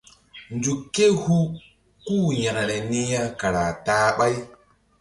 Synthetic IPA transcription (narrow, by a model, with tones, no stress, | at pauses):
nd͡ʒu˨kːe˦hu˦ | kuː˦˨ɲa˨ka˨ɾe˨ni˦ja˦ka˨ɾa˨taː˦ɓa˦j